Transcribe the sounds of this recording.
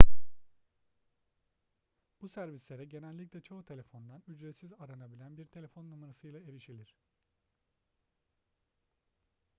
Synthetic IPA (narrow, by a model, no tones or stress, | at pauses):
b̥usæɾvislʲe̞ɾɛɟe̞nælʲːicʲlʲɛt͡ʃʰout̪ʰe̞lʲefo̞nd̪anyd͡ʒɾet̪sizaɾanabilʲænbiɾt̪ʰe̞lʲe̞fo̞nːumaɾasɯjlˠae̞ɾiʃilʲiɾ̝̥